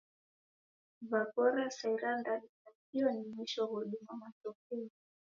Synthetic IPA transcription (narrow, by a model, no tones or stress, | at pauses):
vapɔɾasaiɾandalitakiɔnimwiʃɔɣɔɗumamatɔk̚ɛɔ